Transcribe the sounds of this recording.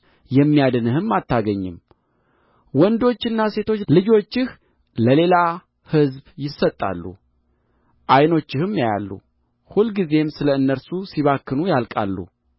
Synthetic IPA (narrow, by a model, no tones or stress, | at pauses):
jɛmːijad̪ɨnɨhɨmːat̪ʰːaɡəɲːɪm | wɔnd̪o̞t͡ʃːɨnːase̞t̪ʰo̞t͡ʃːlɨd͡ʒo̞t͡ʃːɪh | ləle̞la | hɨzbjɪsːət̪ʼːa̰lːṵ | ʔajno̞t͡ʃːɪhɨmjaja̰lːṵ | hulɡize̞msɨləɨnːəɾsusiβakːɨnujalkʼa̰lːṵ